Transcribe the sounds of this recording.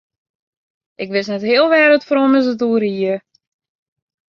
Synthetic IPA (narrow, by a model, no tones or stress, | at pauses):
ʔɪkʋɪsnɛthɪəlˠʋɛːɾətfroməs̬ətuəɾiə